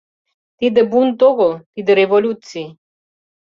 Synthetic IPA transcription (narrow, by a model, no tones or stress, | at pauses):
t̪id̪əbunt̪oɣolˠt̪id̪əɾevolʲut̪si